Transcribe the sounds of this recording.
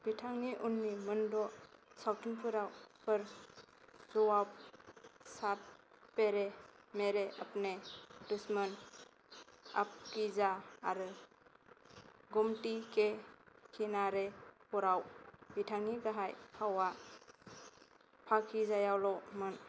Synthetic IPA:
b̥itʰaŋniʔunːimɯndɔsawtʰinpʰɯɾawpʰəɾ | zɔwap̚ | sap̚ | pːeɾemeɾeʔapnedusmɯn | ap̚kizaːɾɯ | ɡɔmtikʰekʰinaɾepɔɾawbitʰaŋiɡaɦajhawa | pʰakʰizajawlɔmɯn

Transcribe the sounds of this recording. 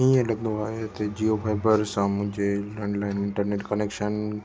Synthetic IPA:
ɦĩẽlɐɡnd̪oaːɦet̪ɐd͡ʑiopʰaːɪbəɾsãmʊ̃ɦd͡ʑelə̃ɳɖlaːɪnɪ̃ɳʈəɾneːʈkəneːkʃən

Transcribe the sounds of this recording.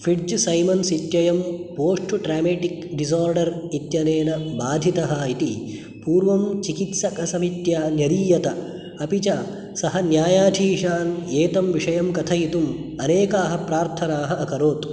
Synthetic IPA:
fʰiɖd͡ʒsɐjmɐnsit̪jɐjɐmpoːʂʈuʈɾaːmeːʈikɖiz̬aːɾɖɐɾit̪jɐneːnɐbaːd̪ʱit̪ɐɦɐit̪i | puːɾʋɐmt͡ʃikit̪sɐkɐsɐmit̪jaːnjɐɾiːjɐt̪ɐ | ɐpit͡ʃa | sɐɦɐnjaːjaːʈ̪ʰiːʃaːneːt̪ɐmʋiʂɐjɐmkɐt̪ʰɐjit̪umɐneːkaːɦɐpɾaːɾt̪ʰɐnaːɦɐɐkɐɾoːt̪

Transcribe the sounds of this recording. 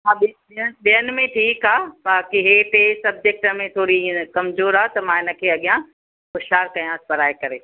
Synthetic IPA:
ɦãːɓi | ɪənɓijənɪmẽʈʰiːkaːbaːkiɦeːʈesɐb̚d͡ʒek̚ʈəmẽt̪ʰoːɾĩkɐmzoːɾaːt̪ɐmãːɪnə̆kʰeːɐɠijã | ʊʃaːɾkɐjãspɐɾaːekɐɾeː

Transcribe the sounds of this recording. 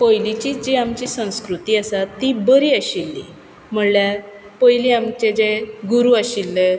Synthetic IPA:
pəjlit͡ɕiːd͡ʑeamt͡ɕisə̃w̃skɾut̪iːasat̪ːibəɾiːəɕilːḭ | m̤əɽlja | pəjliamt͡ɕed͡ʑeɡuɾuəɕilːe

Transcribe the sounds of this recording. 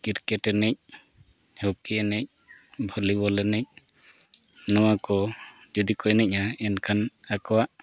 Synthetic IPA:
kiɾkɛʈɛnɛc̚ | hɔkiɛnɛc̚bʱɔlibɔlɛnɛc̚ | nɔwakɔd͡ʒud̪ikɔɛnɛc̚naɛnkʰanakɔwaʔ

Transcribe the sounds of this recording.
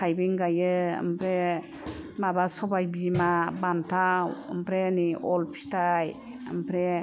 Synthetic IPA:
tʰajbiŋɡajɯə̰mpɾe | mabasɔbajbimabantʰawə̰mpɾeniɔlpʰi̥staj | ə̰mpʰɾe

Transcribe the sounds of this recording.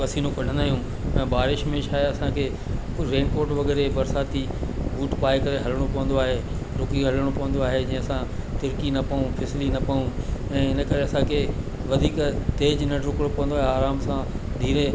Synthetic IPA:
kɐsiːnũkɐɽ̤ə̃nd̪aːɦijũ | ɛ̃ːbaːɾɪʃmẽʃʰaːɐsãkʰe | ɾeːnkoːɾʈʋɐɡɛːɾebɐɾsaːt̪i | ʋuːʈpaːikɐɾeɦɐləɽ̃opɐʋə̃nd̪oaːɦeːɾʊkiɦɐləɽ̃opɐʋə̃nd̪oaːɦed͡ʑĩːə̃ɐsãt̪ʊɾkinɐpɐũpʰɪslinɐpɐũɛ̃ːɪnə̆kɐɾeɐsãkʰe | ʋɐd̪ʱiːkt̪eːd͡ʑnɐɾʊkɽ̃opɐʋə̃nd̪oaːɦeaːɾaːmsã | d̪ʱiːɾe

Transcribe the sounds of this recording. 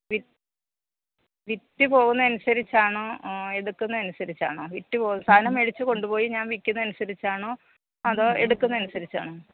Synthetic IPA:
ʋi | ʋitːɨpo̞ːɣunːɐɐnusɐɾit͡ɕːaːɳɨe̞ɽukːunːɐɐnusɐɾit͡ɕːa̰ːɳɨʋitːɨpo̞ːsʰaːnɐmeɻit͡ɕːɨko̞ɳɖupo̞ːjiɲaːnʋikʲːunːɐnusɐɾit͡ɕːaːɳɨ | ɐðoːḛɽukːunːɐɐnusɐɾit͡ɕːa̰ːɳɨ

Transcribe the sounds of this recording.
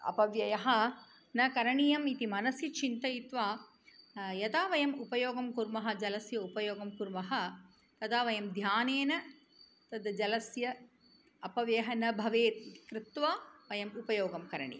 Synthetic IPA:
ɐ̰pɐʋjɐjɐɦɐ̆ | nɐkɐɾɐɳijɐmit̪imɐnɐsjɐt͡ʃʰint̪ɐjit̪ʋaː | jɐt̪aːʋɐjɐmupɐjoːɡɐmkuɾmɐɦɐ̆d͡ʒɐlɐsjɐupɐjoːɡɐmkuɾmɐɦɐ̆ | t̪ɐd̪aːʋɐjɐmd̪ʱjaːneːnɐ | t̪ɐd̪ɐd͡ʒɐlɐsjɐ | ɐpɐʋjeːɦɐnɐbʱɐʋeːkɾɪt̪ʋaːʋɐjɐmupɐjoːɡɐmkɐɾɐɳḭjɐ

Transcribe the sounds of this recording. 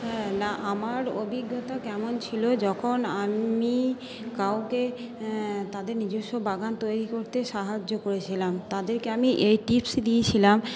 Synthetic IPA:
ɦɛnaʔamaɾobʱiɡːot̪akɛmont͡ɕʰilod͡ʑɔkʰonami | kawke | t̪ad̪eɾnid͡ʑoʃːobaɡant̪ojɾikoɾt̪eʃaɦad͡ʑːokoɾet͡ɕʰilamt̪ad̪eɾkeamiʔejʈipsd̪iet͡ɕʰilam

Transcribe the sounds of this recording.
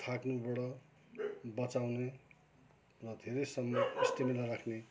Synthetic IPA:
t̪ʰaknubʌɽʌ | bʌt͡sawne | rʌd̪ʱeɾejsʌmːʌist̪imilaɾakʰne

